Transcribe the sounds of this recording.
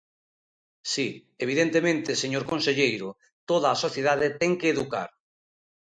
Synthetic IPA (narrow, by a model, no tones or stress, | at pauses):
si | eβ̞iðent̪emẽnt̪eseɲoɾkonseʎejɾʊ | t̪oð̞aːsoθjeðaðet̪ɛŋkeːðuka̰ɾ